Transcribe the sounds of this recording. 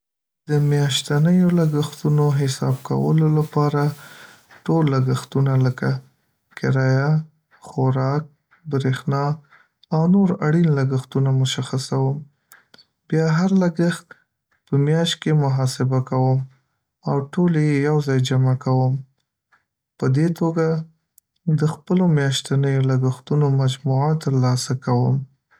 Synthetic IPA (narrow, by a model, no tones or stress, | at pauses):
d̪̥əmjɑʃt̪anəjolaɡaxt̪unoɦɪsɑ̰b̚ka̰wə̰lolapɑɾa | ʈolːaɡaxt̪unaləka | kɪɾɑja | xoɾɑk̚ | bɾexnɑ | awnoɾaɽinlaɡaxt̪unamʊʃaxasawəm | bjɑɦaɾlaɡəxt̪ | pəmjɑʃt̪̚kemʊɦɑsɪbakawəm | awʈoljejawzɑjd͡ʒamakawəm | pəd̪et̪oɡa | d̪əxpəlomjɑʃt̪anəjolaɡəxt̪unomad͡ʒmuʕat̪ːəɾlɑsakawəm